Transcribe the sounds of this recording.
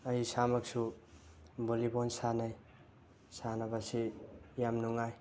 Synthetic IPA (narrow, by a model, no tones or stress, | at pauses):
ajisamak̚su | bolibonsanaj | sanabasijamnuŋaj